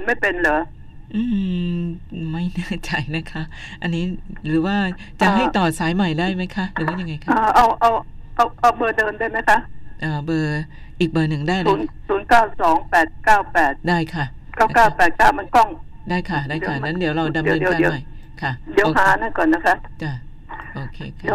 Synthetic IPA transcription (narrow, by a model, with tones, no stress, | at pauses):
a˨˦nma˥˩jpe˧nlɤː˩˦ | ʔɯː˧˩m | ma˥˩jnɯ˥˩ət͡ɕa˧˩jna˦˥kʰa˦˥ʔ | ʔa˧nːiː˦˥ɾɯː˩˦waː˥˩ | t͡ɕa˨ɦa˥˩jt̪ɔː˨˩saː˩˦jma˨˩jdaː˥˩jma˦˥jkʰa˦˥ʔɾɯː˨˦wa˥˩ja˧ŋːa˧jkʰaː˧˩ʔa˧˩wʔa˧˩wʔa˧˩wʔa˧wbɤː˧dɤː˧nda˥˩jma˦˥jkʰa˦˥ʔʔɤː˧˩bɤː˧ | ʔiː˨˩k̚bɤː˨˧˩nɯ˨˩ŋdaː˥˩jmuː˦˩˦nsuː˩˦nkaː˥˩wsɔː˨˩˦ŋpɛː˨˩t̪̚kaː˥˩wpɛː˨˩t̪̚daː˥˩jkʰa˥˩ | kaː˥˩˦kaː˥˩pɛː˨˩t̪̚kaː˥˩wma˧nkɔ˥˩ŋdaː˥˩jkʰa˥˩daː˥˩jkʰa˥˩na˦˥diː˨˩˦əwɾa˧wda˧mɾɯː˧i˧aː˧ma˨˩j | kʰa˥˩di˨˩˦ɦaː˨˩˦naː˥˩jkɔː˨˩nːa˦˥kʰa˦˥t͡ɕa˧˩ | ʔoː˧˩kʰeː˧kʰː